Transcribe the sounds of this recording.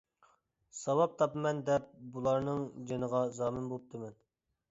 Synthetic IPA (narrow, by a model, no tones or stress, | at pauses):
sɑwɑp̚t̪ʰɑpmɛnd̪ɛp̚bulˠɑɾnɨŋd͡ʒenəʁɑzɑːmɪnbolˠəp̚t̪ʰɨmɛn